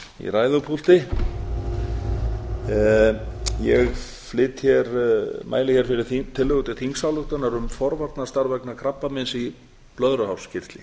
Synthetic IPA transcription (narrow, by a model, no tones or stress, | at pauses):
ḭɾaːjðʏpʰult̪ɪ | jɛɣ | flɪːt̪çɛɾmʔa̰ːjlɪçɛɾ̥fɪɾɪɾ̥it̪ʰɪlːʏɣʏt̪ɪɾ̥θiŋsawlʏxt̪anaɾʏmfɔɾvaɾt̪nast̪aɾvɛknakʰɾapːamɪnsi | plœðɾʏɦawscɪr̥t̪lɪ